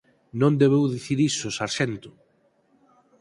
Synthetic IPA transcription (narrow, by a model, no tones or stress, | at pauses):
nõnd̪eβewðiθiɾisʊsaɾʃɛnt̪ʊ̥